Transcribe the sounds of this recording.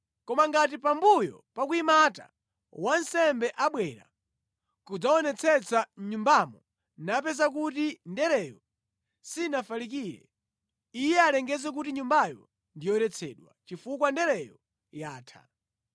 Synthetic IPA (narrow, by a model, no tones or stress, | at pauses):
kɔmaŋɡat̬ipambujɔ̰pakuimata̰ | wansɛmbɛʔaɓwɛɾa̰ | kud͡zaɔnɛt͡sʰɛt͡saɲumbamɔ | nap̬ɛzak̬utindɛɾɛjɔ | sinafalik̬iːɾɛ̰ | ijɛalɛŋɡɛzɛk̬utiɲumbajɔ̰ | ndijɔɛɾɛt͡sʰɛ̰ːɗwa̰t͡ʃifukwandɛɾɛjɔ | jaːtʰa̰